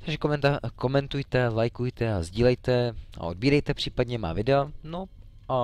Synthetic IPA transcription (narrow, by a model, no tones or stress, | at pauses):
t̪aɡʒɛkomɛnt̪ako̞mɛnt̪ujt̪ɛlajkujt̪ɛazɟiːlɛjt̪ɛa̰ʔo̞d̚biːɾɛjt̪ɛpr̝̥iːpadɲɛma̰ːvɪdɛono | ʔa